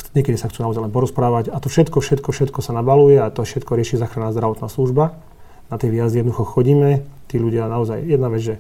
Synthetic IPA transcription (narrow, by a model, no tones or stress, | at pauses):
ɲɛkɛd̪isaxtt͡sunaɔzajlɛnpɔɾɔspɾaːʋacat̪ɔfʃɛt̪kɔfʃɛt̪kɔfʃɛt̪kɔsanabalujɛat̪ɔʃɛt̪kɔɾɪɛʃiːzaːxɾanaːzd̪ɾaʋɔt̪naːsluʒba | nat̪ɪɛʋiɦazd̪iɛd̪nɔd̪uxɔxɔɟiːmɛt̪iːʎuɟɪanaɔzajjɛd̪naʋɛd͡zʒɛ